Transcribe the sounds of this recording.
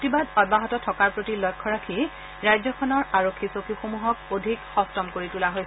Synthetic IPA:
otibadɔd̚baɦɔtɔtʰɔkaɹpɹotilɔjkʰːɔɹakʰi | ɹajzɔkʰɔnɔɹaɹokʰːisokuxomuɦɔkodʱikxɔstɔmkoɹitulaɦojs

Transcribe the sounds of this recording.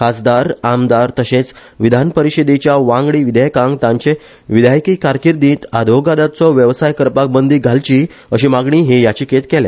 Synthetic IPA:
kasd̪aɾamd̪aɾt̪əɕẽt͡s | ʋid̪ʱanpəɾiɕed̪et͡ɕjaʋãŋɡɽiːʋid̪ʱjjkãŋɡt̪ãɲt͡ɕe | ʋid̪ʱajkiːkaɾkiɾd̪ĩːt̪ad̪ʱoɡad̪at͡sɔʋjəʋsajkəɾpak̚bənd̪iːɡʱalt͡ɕi | əɕimaɡɳiːɦejat͡ɕiːkʰet̪kɛlɛ̰̃

